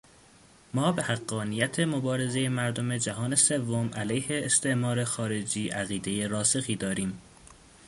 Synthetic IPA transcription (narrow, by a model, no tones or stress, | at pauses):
mɒːbe̞hæɢːɒːnijæt̪ʰe̞mobɒːɾe̞ze̞je̞mæɾd̪o̞me̞d͡ʒæɦɒːne̞se̞vːo̞mʔælæjhe̞ːst̪ʰe̞ʔmɒːɾe̞xɒːɾe̞d͡ʒiːʔæɣiːd̪e̞jeɾɒːsexiːd̪ɒːɾiːm